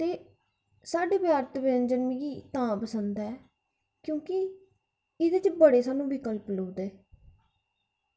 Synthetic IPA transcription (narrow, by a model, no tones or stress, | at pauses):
t̪eː | saːɖeːbjaːɾt̪bend͡ʒənmĩːɡiːt̪ãːpəsənd̪ɛː | kjõːkɪ | ɪd̪eːt͡ʃbəɽeːsaːnũːbʱiːkəlploːd̪eː